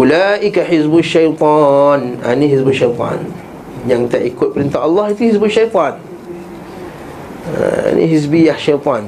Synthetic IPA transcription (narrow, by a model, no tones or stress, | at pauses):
ʔulaʔikaħisbuʃːajt̪ˤɔna̰nĩɦisbuʃajt̪ˤɑ̰n | jaŋt̪aʔikʊt̪̚pəɾint̪aʔɑlːɑhit̪uhisbuʃajt̪ˤɑn | a̰nḭ̃ɦisbijahʃajt̪ˤɔ̃n